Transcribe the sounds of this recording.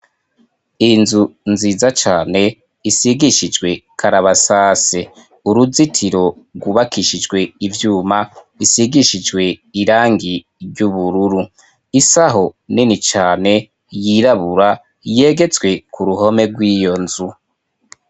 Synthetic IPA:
inzunziːzat͡ʃaːne̞ | isiɡiʃid͡ʒɡwe̞kʰaɾaβasaːse | uɾuzitʰiɾo̞ɾɡwuβakiʃid͡ʒɡwe̞ivjuːma | isiɡiʃid͡ʒɡwe̞iɾaːŋɡi | ɟuβuɾuɾu | isaɦo̞ninit͡ʃaːne̞ | jiɾaβuɾa | je̞ɡe̞t͡swe̞kuɾuɦo̞me̞ɡwiːjo̞nzu

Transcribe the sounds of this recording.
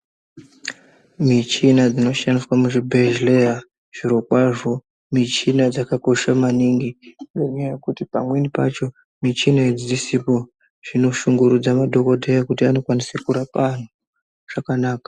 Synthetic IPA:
mit͡ʃinad͡zino̞ʃaniswamuʐibʱeʒleja | ʐ̥iɾo̞kwaʐo̞ | mit͡ʃinad͡zakako̞ʃamaniŋɡiŋɡo̞ɲajaje̞kutipa̰mwe̞nipa̰t͡ʃo̞ | mit͡ʃinaed͡ziisipo̞ | ʐ̥ino̞ʃuŋɡuɾud͡zamadʱo̞ko̞dʱejakutiano̞kwanisekuɾapan̤u | ʐ̥akanaːkḁ

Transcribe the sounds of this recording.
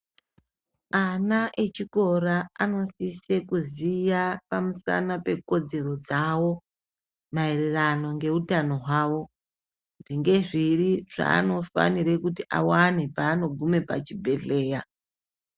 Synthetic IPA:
anaʔet͡ʃiko̞raano̞sise̞kuzijapamusa̰nape̞ko̞d͡ze̞ɾo̞d͡zawo̞ | maerirano̞ŋɡe̞utano̞ɦwaːwo̞ | uʐiŋɡe̞ʐiriʐa̰ːno̞fa̰niɾe̞kutiʔa̰wane̞paːno̞ɡʱume̞pa̰t͡ʃibʱe̞ɮe̞ːja

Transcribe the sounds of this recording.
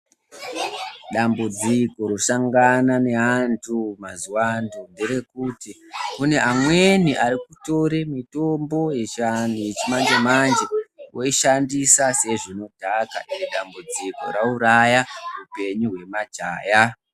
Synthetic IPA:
ɗambud͡ziko̞ɾosaŋɡanane̞ɦantʰumazuwandundeɾe̞kuti | kune̞ʔamwe̞niʔaɾikuto̞ɾemito̞mbo̞jet͡ʃanjet͡ʃimand͡ʒemand͡ʒewʔo̞iʃandisase̞ʐino̞dʱaka̰ʔineɗambud͡ziko̞̰ɾauɾajarupe̞ɲuɦwe̞mad͡ʒaːja

